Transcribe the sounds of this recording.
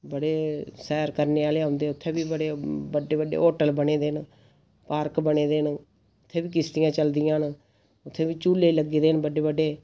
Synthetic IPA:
bəɽeːsɛːɾkəɾneːaːleːaʊnd̪eːʊt̪ʰːẽːbiːbəɽeːbəɖeːbəɖḛːoːʈəlbəɽeːd̪eːn | paːɾkbəɽ̃eːd̪eːn | ʊt̪ʰːeːbiːk̬ɪst̪ɪjãːt͡ʃəld̪ɪjãːn | ʊt̪ʰːeːbiːt͡ʃuːlːeːləɡiːd̪eːnbəɖeːbəɖːeː

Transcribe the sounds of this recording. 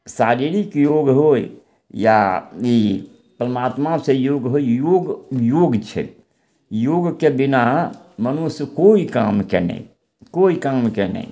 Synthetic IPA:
saɾiɾikjoɡɦoj | ja̰i | pɾəmat̪masẽjoɡɦojjoɡjoɡt͡ʃʰɛ̰ | joɡkebinamənuskoikamkenə̰ḭ | koikamkenə̰ḭ

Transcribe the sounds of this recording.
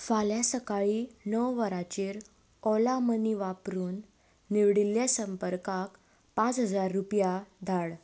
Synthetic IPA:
faljasəkaɭinəwʋəɾat͡ɕiːɾ | ɔlaməniʋapɾuːnː | iʋɽilːjasəmpəɾkak | pãt͡sɦəd͡zaɾːupjad̪ʱaɭ

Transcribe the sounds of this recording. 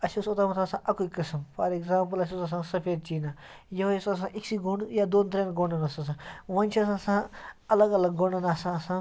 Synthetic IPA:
ɐsusot̪aːmɐt̪ʰaːsãːʔɐkuikɨsəmfʰɐ̰ɾekzaːmp̬ɨlɐs̬usɐs̬ãːsɐpʰeːɾt͡ʃiːna | jɐɦjesas̬ãːʔiksiɡuɳɖjad̪oːnt̪̬ɾẽnɡoɳɖɐnɐsãs̬ãːʋɐnʲt͡ʃʰiɐs̬ãːsãːɐlɐɡɐlɐɡɡoɳɖɐnaːsãɐsãː

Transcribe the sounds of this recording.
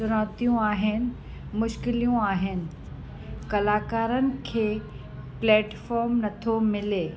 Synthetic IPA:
ʊɾaːt̪ijũaːɦɪnɪ̆ | mʊʃkɪlijũaːɦɪnɪ̆ | kɐlaːkaːɾənɪ̆kʰeː | plɛːʈfɔːɾmnɐt̪ʰomɪleː

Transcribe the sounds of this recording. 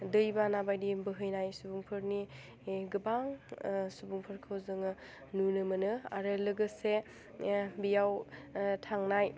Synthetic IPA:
dɯjbanabajdibɯɦɯjnajsubuŋpʰɯɾni | ɡɯbaŋsubuŋpʰɯɾkʰɯwzɯŋɯ | nunɯmɐnɯa̰ɾɯlɯɡɯse | bijawtʰaŋnaj

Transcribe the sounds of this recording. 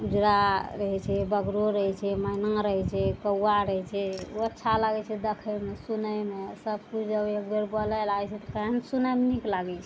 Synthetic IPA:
ud͡ʒɾaɾəɦɛt͡ʃʰɛbəɡɾoɾəɦɛt͡ʃʰɛmanəŋɾəɦɛt͡ʃʰɛkəwːaɾəɦɛt͡ʃʰɛoətːʃʰalaɡɛt͡ʃʰɛd̪ekʰəmesunəmesəbkut͡ʃʰd͡ʒəbeɡbeɾbəlɛlaɛt͡ʃʰɛt̪ɔ̥kəɦensunəmeniklaɡɛt͡ʃʰɛ

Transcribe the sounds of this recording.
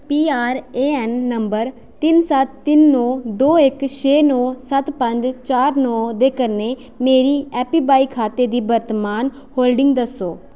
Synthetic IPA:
piːaːɾeːɛnːəmbəɾ | t̪ɪnsət̪ːɪnːɔːd̪oːɪkʃʰeːnɔːsət̪pəɲd͡ʒt͡ʃaːɾnɔːd̪eːkəneː | meːɾiːɛːpiːbaːiːkʰaːt̪eːd̪iːbəɾt̪əmaːn | hoːlɖɪŋɡd̪əsːoː

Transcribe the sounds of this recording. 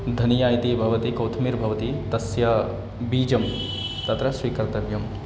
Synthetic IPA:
d̪ʱɐnijaːjit̪ibʱɐʋɐt̪ikɐwt̪ʰmiɾbʱɐʋɐt̪it̪ɐsja | biːd͡ʒɐm | t̪ɐt̪ɾɐsʋiːkɐɾt̪ɐʋjɐm

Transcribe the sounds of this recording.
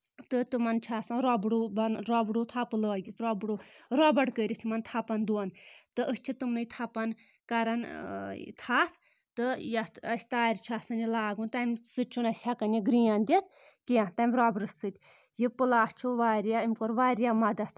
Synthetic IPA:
t̪ɨt̪ɨmɐnt͡ʃʰaːsãɾɔbɽubɐnɾɔbɽut̪ʰapɨlɔːɡʲit̪ɾɔbɽuɾɔbɐɽkəɾʲit̪ʰmɐnt̪ʰapɐnd̪uɐnt̪ɨʔəst͡ʃʰit̪ɨmnɨjt̪ʰɐpɐn | kɐɾɐn | t̪ʰaːt̪ʰ | t̪ɨjɐt̪ɐsʲt̪aːɾʲt͡ʃʰaːsɐnilaːɡũnt̪ɐmʲsɨt͡ʃʰunɐsʲhʲɐkɐnjiɡɾijand̪ʲit̪̚ʰ | kijãt̪ɐmʲɾɔbɽɨssɨt̪ʲ | jipɨlaːst͡ʃʰuʋaːɾjaimʲkoɾʋaːɾjamɐd̪ɐt̪ʰ

